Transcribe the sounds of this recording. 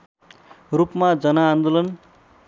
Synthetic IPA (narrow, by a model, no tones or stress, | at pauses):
rupmad͡zʌnaːnd̪olʌn